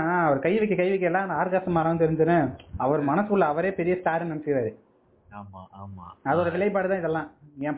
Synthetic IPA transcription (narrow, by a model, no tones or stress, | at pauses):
ɐʋɐɾɯkɐjːɛʋɛkːɯkɐɪʋɪk̬ːɐːlːãːɐnd̪aːɾɣaːsɐmːaːɾɐʋɐnd̪ɯɪɾɯnd̪ɯnːɯɐʋɐɾmɐnɐsɯkʊɭːɐɐʋɐɾeːpɛɾɪjɐst̪aːɾɐnɐɳsɪkɪɾaːɾɯ | aːma̰aːma̰ːɐðɯɔɾɐʋɪɭɐɪp̬aːɽɯt̪ãːɪðɛlːãːɛ̃ː